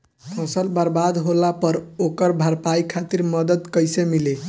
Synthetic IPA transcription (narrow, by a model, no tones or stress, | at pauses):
pʰʌ̃səlbaɾbad̪ɦolapəɾokəɾbʱaɾpajkʰat̪iɾmʌd̪əd̪kʌjsemile